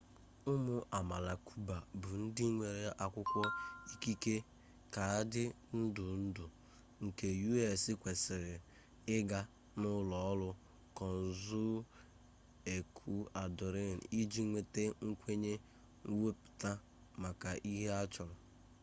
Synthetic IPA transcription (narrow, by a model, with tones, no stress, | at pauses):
ʊ˦mʊ˨ʔa˨ma˨la˨kʰu˦ba˨bʊ˨n̩˦dɪ˦ŋʷe˨ɾe˦˨ʔa˨kʷʊ˦kʷɔ˦i˦ki˦ke˦ | ka˨a˦dɪ˦ | n̩˦dʊ˨n̩˦dʊ˨ | ŋ̩˨ke˨ju˦e˦˨sɪ˦kʷe˨sɪ˨ɾɪ˨ | ɪ˦ɡa˦ | nʊ˦lɔ˨ɔ˦lʊ˦ | kɔ˨n̩˨zʊ˦ | e˨kʰu˦a˨dʊ˨ɾɪ˦˨n̩˨i˦d͡ʒi˦ŋʷe˦te˦ŋ̩˦kʷe˦ɲe˦ | ŋ̩˦we˦pʊ̥˨ta˦ | ma˨ka˨ʔi˦ɦe˦a˦t͡ʃɔ˨lɔ˨